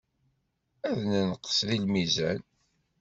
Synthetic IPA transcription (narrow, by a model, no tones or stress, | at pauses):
æðnənəqːə̥sðilmizæn